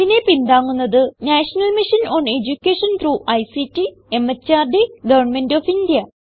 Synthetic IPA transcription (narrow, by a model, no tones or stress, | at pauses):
ine̞pind̪aːŋːunːɐðɨnaːʂɐnɐlmiʂɐnoːne̞d͡ʑukʲːeːʂɐnt̪ɾuːʔɐjsitːi | emːɐt͡ɕːaːrɖeɡɐʋɐrɳme̞ndofindijɐ